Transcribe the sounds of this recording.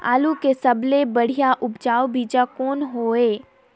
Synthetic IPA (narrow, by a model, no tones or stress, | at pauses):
a̰ːlukesɐblebɐɽ̤ijaʔʊbd͡ʒaːobiːd͡ʒakɔːnɦoːeː